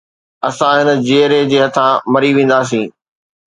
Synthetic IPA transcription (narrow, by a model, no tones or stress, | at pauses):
ɐsãɦɪnə̆d͡ʑeːɾed͡ʑeːɦɐt̪ʰãmɐɾiʋẽːn̆d̪aːs̬ĩː